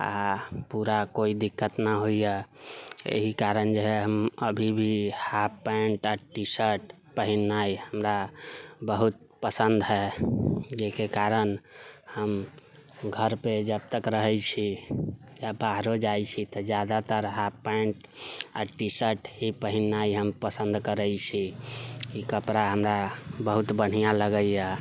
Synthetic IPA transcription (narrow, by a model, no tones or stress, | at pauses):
a̰puɾakoid̪ikːət̪naɦoija | ḛɦikaɾənd͡ʒeɦɛɦəməbʱibʱihapːə̃ɳʈaʈisəʈ | pəɦinːaihəmɾabəɦut̪̚ | pəsə̃nd̪ɦɛ | d͡ʒekekaɾənhəm | ɡʱəɾped͡ʒəb̚t̪əkɾəɦɛjt͡ʃʰi | jabaɦɾod͡ʒajt͡ʃʰit̪əd͡ʒjad̪at̪əɾɦapːəɳʈ | a̰ʈisəʈɦipəɦinːaiɦəmpəsə̃nd̪kəɾəjt͡ʃʰikikəpɾaɦəmɾabəɦut̪bəɽ̤ijãləɡəja